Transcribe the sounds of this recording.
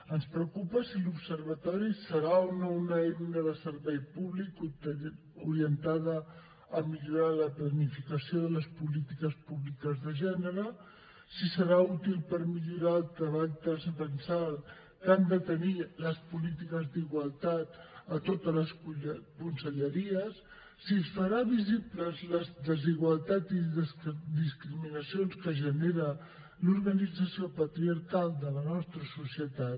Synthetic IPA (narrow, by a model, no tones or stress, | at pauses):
ənspɾəkupəsilupsəɾβ̞ət̪ɔɾisəɾaounonəɛmnəðəsəɾβɛjpuβlik | uɾiənt̪aðəː | miʎuɾaləplənifikəsioðələspulit̪ikəspuβlikəzðəʒɛnəɾə | sisəɾaut̪ilˠpəɾmiʎuɾaəlˠt̪ɾəβaʎt̪əzəpənsal | kand̪ət̪əniləspulit̪ikəzd̪iɣwəlˠt̪at̪ət̪ot̪ələskukunsəʎəɾiəsː | isfəɾaβizipləzləzðəziɣwəlˠt̪at̪iðsd̪iskɾiminəsionskəʒəneɾə | luɾɣənid͡zəsiopət̪ɾiəɾkalˠd̪ələnɔst̪ɾəsusiət̪at̪